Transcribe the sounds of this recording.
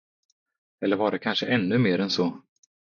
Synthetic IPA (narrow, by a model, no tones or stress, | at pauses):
ɛlːəɾvaɖɛkʰanʂəʔɛnːɵmeːɾɛnsɔ